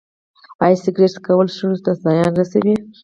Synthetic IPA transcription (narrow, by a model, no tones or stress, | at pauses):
ɑjsɪɡɾeʈkawəlʃuɾust̪azɑjɑnɾasawi